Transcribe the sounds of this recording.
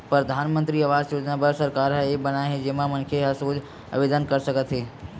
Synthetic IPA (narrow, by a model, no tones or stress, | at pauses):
pɾəd̪ʱaːnmə̃nt̪ɾiəʋaːsjoːd͡ʒnabəɾsəɾkaːɾɦəebənaɦed͡ʒeːmãmənkʰeɦəsoːd͡ʒ | ə̰ʋed̪ənkəɾsəkət̪ɦeː